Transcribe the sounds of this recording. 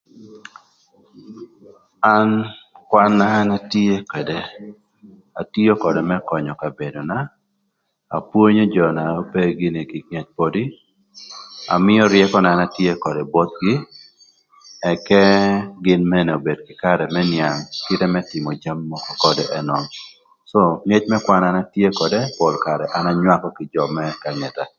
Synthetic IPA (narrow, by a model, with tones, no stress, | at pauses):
a˦nkwa˦nːa˦na˦tje˦kwe˨de˨ | a˨ti˦o˦kɔ˨de˨mɛ˦kɔ˨ɲɔ˨ka˨be˨do˨na˨ | pwo˦ɲo˦d͡ʒɔ˨na˨o˦pe˦ɡɪ˦ni˨kɪ˨kjɛ˦t͡ʃ̚podi˦ | a̰˨mɪ˦ɔ˦ɾjɛkɔ˦nɛ˨a˨natje˦kɔ˨dɛ˨bɔ˦t̪̚ɡɪ˦ | ɛ˨kɛ˦ɡɪ˦nmɛ˦nɛ˨o˨be˨dkɪ˦ka˦ɾɛ˨mɛ˦nja˨ŋkɪ˦tɛ˦mɛ˦tɪ˨mɔ˨d͡ʒa˦mːɔ˦kɔ˦kɔ˨dɛʔɛ˦nɔ˨m | so˦ŋɛ˦t͡ʃmɛ˦kwa˦na˦na˦tje˦kɔ˨de˦pɔ˨lka˨ɾɛ˨ʔa˦na˦ɲwa˦kɔkɪ˨d͡ʒɔ˨mɛ˦ka˨ŋɛ˨ta˨